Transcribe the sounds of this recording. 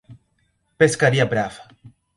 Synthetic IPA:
peskaɾiabɾaf

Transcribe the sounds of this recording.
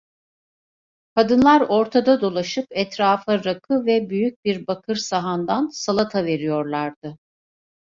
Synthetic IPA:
kʰad̪ɯnlˠaɾo̞ɾt̪ʰad̪ad̪o̞lˠaʃɯpɛt̪ɾaːfaɾakʰɯvɛbyjyc̚biɾbakʰɯɾsaɦand̪ansalˠat̪ʰave̞ɾijo̞ɾlˠaɾd̪̥ɯ

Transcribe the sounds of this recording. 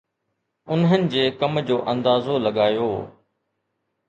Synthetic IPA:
ʊnɦənɪ̆d͡ʑeːkɐmd͡ʑoːʔɐ̃nd̪aːzolɐɠaːjoː

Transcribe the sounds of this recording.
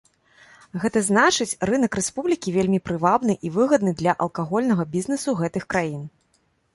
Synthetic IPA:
ɣɛt̪ɐznat͡ʂɨt͡sʲrɨnɐkɾɛspublʲikʲivʲelʲmʲipɾɨvabnɨʔivɨɣɐd̪nɨd̪lʲɐʔɐlˠkaɣɔlʲnɐɣɐbʲiznɛsuɣɛt̪ɨxkɾajin

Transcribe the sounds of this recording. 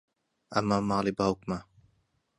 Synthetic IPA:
ʔamːamaːlibawkma

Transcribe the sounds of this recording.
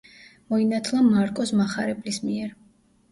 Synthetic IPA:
mɔinat̪ʰlˠamaɾkʼɔsmaχaɾɛblismiɛɾ

